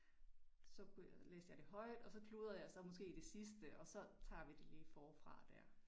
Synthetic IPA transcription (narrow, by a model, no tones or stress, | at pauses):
sɒ̽kʰulḛːsjɑ̈ɪd̥e̝ɦɒ̽ɪ̰d̥ɒ̽sɒ̽kʰluðˠɐjɑ̈ɪsɒ̽mɒ̽sɡ̥e̝̰ːid̥e̝sisd̥əʔɒ̽sɒ̽t͡sʰɑ̰̈ːʋid̥e̝liːfɒːfʁɑ̈d̥æɐ̰